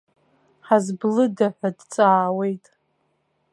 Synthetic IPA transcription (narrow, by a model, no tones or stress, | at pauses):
ħazblɨdaħʷadt͡sʼaːwe̞jtʼ